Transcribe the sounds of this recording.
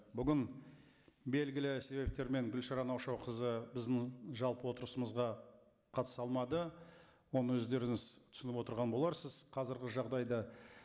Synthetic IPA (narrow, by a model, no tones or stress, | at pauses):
bʏɡʲɪn | be̞lɡʲɪlɪse̞be̞p̚t̪e̞ɾme̞ŋɡʲʏlʃɑɾɑnɑwʃɑwqʰəzəbɪzd̪ɪŋʒɑlˠpəwo̞t̪əɾəsəməzʁɑ | qʰɑt̪ə̥sɑlˠmɑd̪ə | wo̞nəwɵzd̪e̞ɾɪŋɪzt̪ʰʏ̥sɪnɪpwo̞t̪əɾʁɑnbo̞lˠɑɾsəzqʰɑzɪɾɡʲɪʒɑʁd̪ɑjd̪ɑ